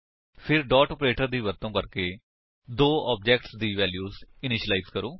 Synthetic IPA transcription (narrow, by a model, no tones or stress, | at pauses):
pʰɪɾɖɔːʈɔːpɾeːʈəɾd̪iːʋət̪õːkəɾkeː | d̪oːɔːb̚d͡ʒɛːkʈsd̪iːʋɛːljuːzɪnɪʃlaɪzkəɾoː